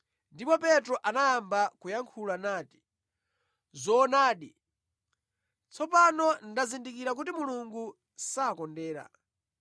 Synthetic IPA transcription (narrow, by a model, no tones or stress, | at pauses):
ndipɔpɛtɾɔʔanalambakujaŋkʰulanaːti̥ | zɔːnaːɗi | t͡sʰɔpanɔndazindikiɾak̬utimuluŋɡu | saːkɔndɛːɾa̰